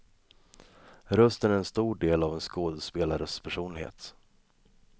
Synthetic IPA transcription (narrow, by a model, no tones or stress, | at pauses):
ɾœst̪ənæɾɛnst̪uːɖeːlavɛnskoːd̪əspeːlaɾəspʰæʂuːnlɪhḛːt̪